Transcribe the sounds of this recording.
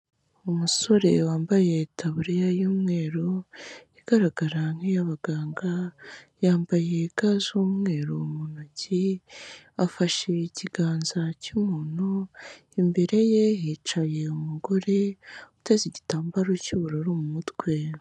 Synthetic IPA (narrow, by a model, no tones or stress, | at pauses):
umuso̞ɾe̞waːmbajetʰaβuɾijajuːmŋe̞ːɾoiɡ̥aɾaɡaɾaŋ̥hejaβaɡaːŋɡajaːmbaje̞ɡazuːmŋe̞ːɾomunoci | afaʃeiciɡaːnzacumuːnu | imbe̞ɾe̞jejit͡ʃaje̞umuɡo̞ɾe̞u̥teziɟitaːmbaɾocuβuɾoɾumumutwe̞